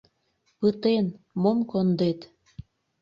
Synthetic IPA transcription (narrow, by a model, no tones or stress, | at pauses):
pɯt̪en | momkond̪et̪